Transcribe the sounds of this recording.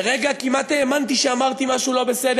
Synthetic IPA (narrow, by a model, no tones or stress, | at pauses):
ɾeɡakimat̪eːmant̪iʃamaɾt̪imasulaβeseɾ